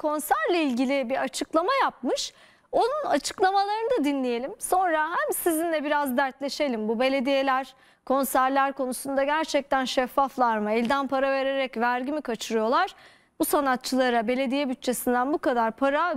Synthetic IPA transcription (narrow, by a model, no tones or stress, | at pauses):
kʰo̞nsæɾlʲailʲɟilʲɪbiɾat͡ʃʰɯklˠamajap̚mɯʃ | o̞nunat͡ʃʰɯ̥klˠamalˠaɾɯnɯd̪ad̪inlʲije̞lʲimso̞nɾaɦæmsizind̪ʲɛbiɾazd̪æɾt̪lʲe̞ʃe̞lʲimbube̞lʲe̞d̪ije̞lʲæɾ̥ | kʰo̞nsæɾlʲæɾko̞nusund̪aɟæɾt͡ʃʰɛc̚t̪ænʃɛfːaflˠaɾmɯɛlʲd̪ænpʰaɾave̞ɾe̞ɾɛcvæɾɟimikʰat͡ʃʰɯɾɯjo̞lˠaɾ̥ | b̥usanat̪̚t͡ʃʰːɯlˠaɾabe̞lʲe̞d̪ijɛbyt̪̚t͡ʃʰe̞sind̪ænbukad̪aɾpʰaɾa